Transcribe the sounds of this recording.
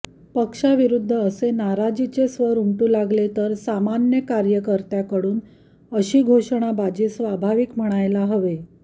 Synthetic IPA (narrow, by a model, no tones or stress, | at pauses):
pəkʂaʋiɾud̪ʱːəːsenaɾad͡ʑit͡sesʋəɾumʈuːlaɡlet̪əɾsamanjəkaɾjəkəɾt̪jakəɽuːn | əɕiːɡʱoʂɽ̃abad͡ʑesʋabʱaʋikm̤əɽ̃ajlaɦəʋe